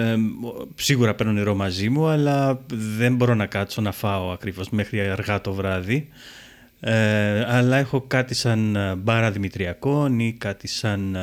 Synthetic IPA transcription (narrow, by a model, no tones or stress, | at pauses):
siɣuɾɐpeɾnoniɾo̞mɐzimuɐlɐðe̞mbo̞ɾo̞nɐkɐt̪so̞nɐfɐoɐkɾivo̞zme̞xɾiɐɾɣɐt̪o̞vɾɐði | eɐlɐexo̞kɐt̪isɐnbɐɾɐðimit̪ɾiɐko̞nikɐt̪isɐn